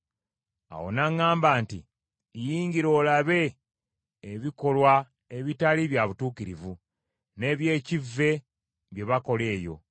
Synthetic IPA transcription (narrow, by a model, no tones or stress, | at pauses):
a̰wo̞̰naŋːaːmbaːnti | jiːɲɟiɾo̞ːlaβe̞ː | βiko̞lwa | eβitaliβjaβutuːkiɾivu | ne̞ːβje̞ːcivːe̞ | βje̞βako̞le̞ːjo̞̰